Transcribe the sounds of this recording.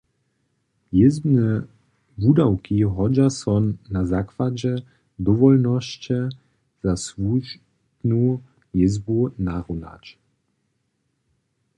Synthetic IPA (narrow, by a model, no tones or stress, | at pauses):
jɪzbnɛ | vud̪awkʰiɦɔd͡ʑasɔnːazakvad͡ʑɛ | d̪ɔvɔlnɔɕt͡ɕɛ | z̥asvuʒ | dnu | jɪzbunaʁuna̰t͡ɕ